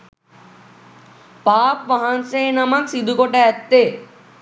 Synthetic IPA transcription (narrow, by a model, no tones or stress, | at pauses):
paːpʋɐɦanseːnɐmɐksid̪ʱukoʈɛɐt̪ːeː